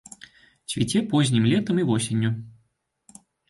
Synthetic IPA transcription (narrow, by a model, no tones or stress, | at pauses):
t͡sʲvʲɪtʲɛpozʲnʲimlʲeɛt̪əmivosʲɪnʲːu